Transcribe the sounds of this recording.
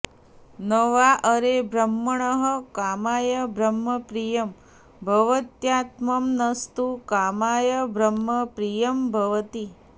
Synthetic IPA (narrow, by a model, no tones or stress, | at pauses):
nɐʋaʔəɾebɾɐmːɐɳɐɦəkaːmaːjɐbʱɾɐmːɐpɾijɐm | bʱɐʋɐt̪jaːt̪mɐmnɐst̪ukaːmaːjɐbʱɾɐmːɐpɾijɐmbʱɐʋɐt̪i